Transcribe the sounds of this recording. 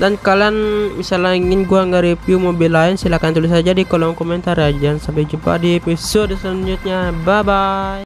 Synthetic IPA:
dankalanmisalaiŋɪnɡuaŋɡaɾipiumɔbilaɪnsilakant̪ulɪs̬ad͡ʒadikɔlɔŋkɔmɛnt̪arad͡ʒiansampɛd͡ʒupa̰dipɛsɔdslaɲd͡ʒut̪̚ɲababaj

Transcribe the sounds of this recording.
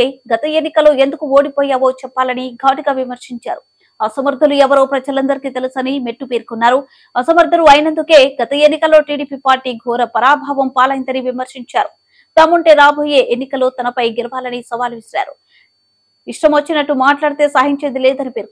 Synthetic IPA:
eːɡɐt̪ɐe̞nːikɐlːoːend̪ukuoːɽipoːjaːʋo̞ːt͡ʃɛpːaːlɐniɡʱaːʈiɡaːʋimɐɾʂiɲt͡ʃa̰ːɾu | ɐsɐmɐɾd̪ʱɐluɛʋɐɾo̞ːpɾɐd͡ʒɐlɐnd̪ɐɾikit̪elusɐnimeʈːupeːɾkunːaːɾu | ɐsɐmɐɾd̪ʱɐluɐjnɐnd̪uke̞ːɡɐt̪ɐenːikɐlːo̞ːʈiːɽiːpiːpaːɾʈiːɡʱɔːɾɐpɐɾaːbʱaːʋɐmpaːlɐjint̪ɐniʋimɐɾʂiɲt͡ʃaːɾu | d̪aːmɐɳʈe̞ːɾaːbʱoːje̞ːʔenːikɐlːoːt̪ɐnɐpɐjɡɛlɐʋaːlɐnisɐʋaːluʋisɾa̰ːɾu | iʂʈɐmʋot͡ʃːinɐʈːumaːʈlaːɽit̪e̞ːsaːɦiɲt͡ʃe̞ːd̪ileːd̪ɐnipeːɾ

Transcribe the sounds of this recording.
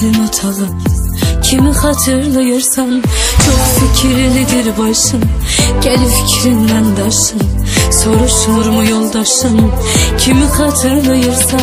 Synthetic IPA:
lɪmut̪ʰɑʁɨpkʲʰimɪχɑt̪ʰɨɾlˠɨjɨɾsɑmt͡ʃʰoχfɪkʲʰiɾɪlɪd̪eɾɪbɑʃɨmɡ̥ʲɛlɪfɪ̥kʲʰɾɪnːɛnd̪ɑʃɨn | soɾuʃulˠuɾmujolˠd̪ɑʃɨm | kʲʰimɪχɑt̪ʰɨɾlˠɨjɨɾsɑ

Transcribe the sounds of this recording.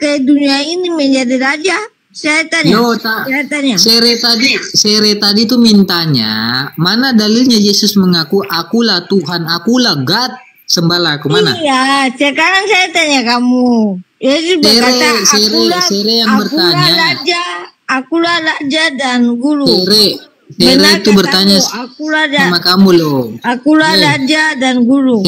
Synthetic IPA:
kajaduniainiməɲd͡ʒadiɾad͡ʒa | sajat̪aɲjaot̪aajat̪aɲaseɾet̪adiseɾɛt̪adit̪umint̪aɲa̰manadalilɲajesʊsməŋakuʔakulat̪uɦanakulaɡat̪̚ | səmbalaːkumana̰jasəkaɾaŋsajat̪aɲakamujesueɾeseɾeeɾejaŋbərt̪aɲad͡ʒaːkulalad͡ʒadanɡuluseɾe | seɾeit̪ubərt̪aɲasakuladamakamuloakulalad͡ʒadanɡulu

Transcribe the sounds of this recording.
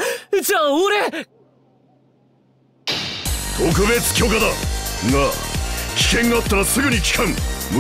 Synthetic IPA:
d͡ʑaːoɾe | t̪o̞k̬ɯ̟be̞t͡sɨ̥kʲo̞ːkad̪aɡakʲi̥kẽ̞ŋɡaːt̪ːaɾasɨɡɯ̟ɲikʲi̥kʰãŋmɯ

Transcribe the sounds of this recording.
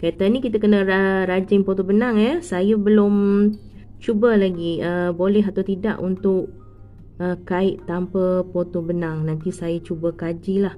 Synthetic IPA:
kait̪anikit̪akənəaɾad͡ʒɪŋpot̪obənaŋɛsajəbəlʊm | t͡ʃubəlaɡiəbolɛɦat̪awt̪ida̰ʔunt̪ʊʔ | əkaɪʔt̪ampəpot̪obənaŋnant̪isajat͡ʃubəkad͡ʒilah

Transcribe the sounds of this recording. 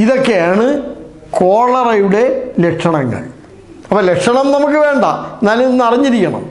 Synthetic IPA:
iðokːejaːɳɨ | ko̞ːɭɐrɐjuɽe̞lekʂɐɳɐŋːɐ̰ɭ | ɐpːoːlekʂɐɳɐmnɐmukːɨʋe̞ːɳɖa̰enːaːlninːɐriɲːiɾikʲːɐɳɐ̰m

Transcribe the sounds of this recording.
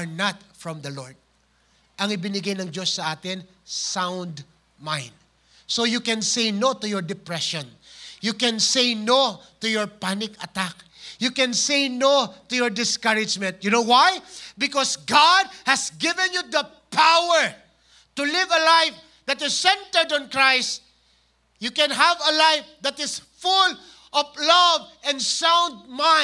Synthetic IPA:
ɹnat̪̚fɹɔ̃md̪ɐlɔɹd̪̚ | ʔɐŋɪbɪnɪɡajnɐŋd͡ʒo̞sːɐʔaːt̪ɪn | sãwnd̪ | mãjnd̪̚ | sojukɛ̃nsejnot̪ʊjɔɹd̪ɪpɹɛʃɔ̃njukɛ̃nsejnot̪ʊjɔɹpanɪkɐt̪ak̚jukɛ̃nsejnot̪ʊjɔɹd̪ɪskʌɹɪd͡ʒmɛ̃nt̪̚jʊnowajbɪkɔsɡɑd̪̚hɨsɡɪvɛ̃njud̪ɐ | pʰawəɹ | t̪ulɪvɐlajf | d̪at̪ɪsːɛ̃nt̪əɹd̪ɔ̃nkɹajst̚ | jukɛ̃nɦavɐlajfd̪at̪ɪsfʊl | ʔɔvlʌvɛ̃nd̪sãw̃nd̪̚mã

